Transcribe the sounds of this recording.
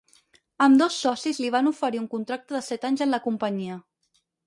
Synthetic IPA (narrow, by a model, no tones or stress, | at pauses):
əmd̪ɔsːɔsizliβ̞anufəɾiuŋkunt̪ɾak̚t̪əðəsɛt̪aɲzənləkumpəɲiə